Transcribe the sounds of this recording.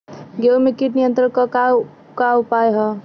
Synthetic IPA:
ɡewmekiʈnijənt̪ɾənkʌka | kaupajɦʌ

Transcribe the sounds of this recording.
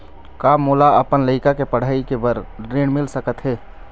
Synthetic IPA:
kaːmʊːlaɐpənləɪkakepəɽ̤aːikebəɾɾẽːɽmɪlsəkət̪ɦɛː

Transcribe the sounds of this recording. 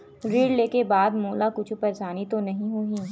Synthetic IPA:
ɾiːɽleːkebaːd̪moːlakʊt͡ʃʰpɐɾsaːnit̪onɐɦĩɦuĩ

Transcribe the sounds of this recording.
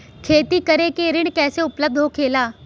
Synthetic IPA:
kʰeːt̪ikɐɾekeɾɪɽ̃kɛːseʊpləb̚d̪ʱɦokʰeːlaː

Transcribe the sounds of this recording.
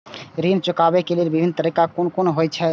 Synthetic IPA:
ɾint͡ʃukabɛkelelbibʱinːət̪əɾikakonkonɦojt͡ʃʰɛ

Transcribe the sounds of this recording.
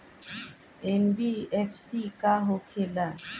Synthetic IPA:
ɛnbiɛfsikaɦokʰela

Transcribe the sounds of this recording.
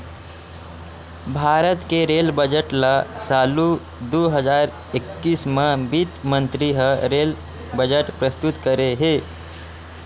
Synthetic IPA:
bʱaːɾət̪keɾelbəd͡ʒəʈlasaːlu | d̪oːɦəzaːɾ | ekːiːsmə̃bit̪mə̃nt̪ɾiɦəɾel | bəd͡ʒəʈpɾəst̪ut̪kəɾeɦe

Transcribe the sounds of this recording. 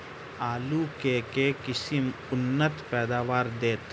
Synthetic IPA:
aːlukekekɪsɪm | ʊnːət̪pɛːd̪aːʋaːɾd̪eːt̪

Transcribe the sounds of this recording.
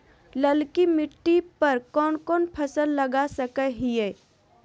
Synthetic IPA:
ləlkimɪʈːipɐɾkɔːnkɔːnpʰɐsəlːɐɡasəkəɦieː

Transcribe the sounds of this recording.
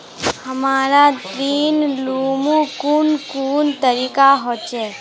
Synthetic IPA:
həmaɾat̪ɾinlumũkunkuːnt̪əɾikaɦot͡ʃʰe

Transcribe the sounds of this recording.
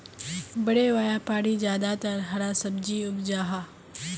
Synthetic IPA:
bɐɽeʋaːjapaːɽid͡ʒjaːd̪at̪ɐɾɦɐɾasɐbd͡ʒiʊbd͡ʒaːɦaː

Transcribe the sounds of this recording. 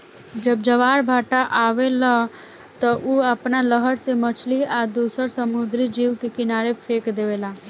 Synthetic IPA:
d͡ʒəb̚d͡ʒəʋaːɾbʱaːʈaʔaːʋela | t̪ɔʔuəpnaləɦəɾsemət͡ʃʰliaːd̪uːsəɾsəmud̪ɾid͡ʒiːʋkekɪnaːɾepʰeːkd̪eːʋeːlaː

